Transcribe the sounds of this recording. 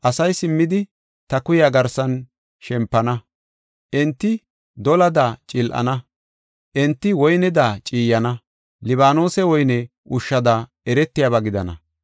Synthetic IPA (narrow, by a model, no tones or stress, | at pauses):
ʔɐsɐjsɪmːɪd̪ɪ | t̪ɐkʊjaːɡɐɾsɐn | ʃɛmpːɐnɐ | ʔɛnt̪ːɪ | d̪ɔlɐd̪aːt͡ʃʼɪlʔɐ̰nɐ | ʔɛnt̪ːɪwɔjnɛd̪aːt͡ʃʼiːjɐnɐ | lɪβaːno̞ːsɛwɔjnɛ | ʔʊʃːɐd̪aː | ɛɾɛt̪ːɪjaːβɐɡɪd̪ɐnɐ̰